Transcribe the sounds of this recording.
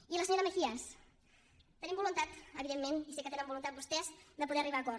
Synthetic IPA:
iləsəɲoɾəməkiəs | t̪ənĩmbulunt̪at̪əβiðemːenisekət̪enəmbulunt̪at̪̚bust̪ɛzd̪əpuðɛəriβakɔ

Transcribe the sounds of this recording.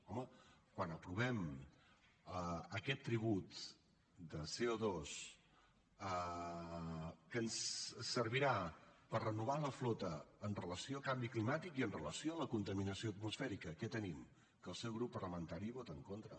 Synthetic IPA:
ɔməkwanəpɾuβ̞ɛm | əəkɛt̪ːɾiβ̞ut̪ | d̪əseoðos | ə | kənssːəɾβiɾapərrənuβ̞aləflot̪əːnrələsiokambiklimat̪ikiənrələsioələkunt̪əminəsioət̪musfɛɾikəkɛt̪ənim | kəlˠsɛwɣɾupːərləmənt̪aɾiβot̪əŋkont̪ɾə̰

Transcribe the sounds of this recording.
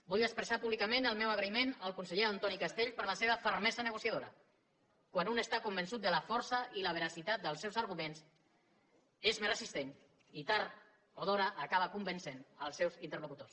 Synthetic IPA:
buʎəkspɾəsapuβlikəmẽnəlˠmɛwəɣɾəimenəlˠkunsəʎeənt̪ɔnikast̪eʎpəɾləseβəfəɾmɛzənəɣusjað̞oɾə̰ | kwanunəst̪akumbənsut̪̚d̪ələfɔɾsəiləβ̞əɾasit̪at̪̚d̪əlˠsɛwzəɾɣumens | ezmeɾəsist̪en | it̪aɾ | oðɔɾəʔːkaβəkumbənsenəlˠsːɛwzint̪ərlukut̪os

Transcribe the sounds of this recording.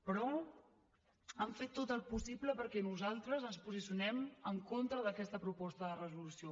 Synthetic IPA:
pɾɔ | əɱfet̪ːot̪əlˠpusibləpəɾkɛnuzalˠt̪ɾəzənspuzisjunɛməŋkont̪ɾəðəkɛst̪əpɾupɔst̪əðərəzulusio

